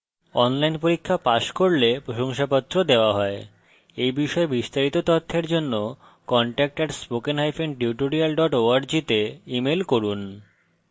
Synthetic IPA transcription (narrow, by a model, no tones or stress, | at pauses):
ɔnlajnpoɾikʰːapaʃkoɾlepɾoʃoŋʃapɔt̪ːɾod̪eoaɦɔe | ejbiʃɔebist̪aɾit̪ot̪ɔt̪ʰːeɾd͡ʑonːo | kɔɳʈɛk̚ʈeɾspokenɦajfeɳɖiuʈoɾialɖɔʈoaɾd͡ʑit̪eimelkoɾun